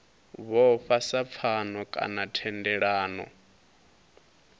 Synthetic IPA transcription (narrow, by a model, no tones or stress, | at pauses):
βɔɸasap̪fʰanɔkʼa̰natʰɛndɛɺaːnɔ̰